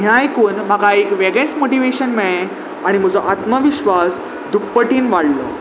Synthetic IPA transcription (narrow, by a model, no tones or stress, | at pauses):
jãjkuːnm̤aɡaekʋeɡẽsmoʈiʋeɕənmɛɭ̃ẽ | aɽ̃im̤əd͡zɔʔat̪məʋiɕʋas | d̪ʱukpːəʈiːnʋaɽlə̰